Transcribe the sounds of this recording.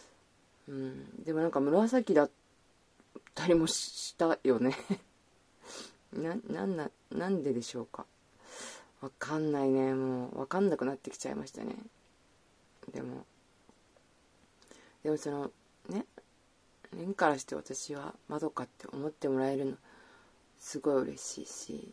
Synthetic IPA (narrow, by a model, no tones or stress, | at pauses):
ɯ̟̃ɴd̪e̞mo̞nãŋkamɯ̟ɾasakʲid̪at̪ | t̪ʰːaɾʲimo̞ɕiɕi̥t̪ajo̞ne̞ | nãnã̰nːa | nãnd̪e̞d̪e̞ɕo̞ːka̰ | βakʰãnːaine̞mo̞ːβa̰kãnːakɯ̟nat̪ːe̞kʲi̥t͡ɕa̰ḭma̰ɕi̥t̪a̰ne̞̰ | d̪e̞̰mo̞̰ | d̪̥e̞mo̞so̞no̞ | ne̞ | hẽŋkaɾaɕi̥t̪e̞βa̰t̪aɕiβa̰mad̪o̞kat̪ːe̞ʔo̞mo̞t̪ːe̞mo̞ɾae̞ɾɯ̟no̞ | sɨɡo̞iɯ̟ɾe̞̰ɕḭːɕḭ